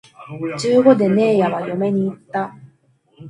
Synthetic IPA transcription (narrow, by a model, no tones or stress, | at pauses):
t͡ɕɨːɡo̞d̪e̞ne̞ːjaβajome̞ɲ̟iːt̪ːa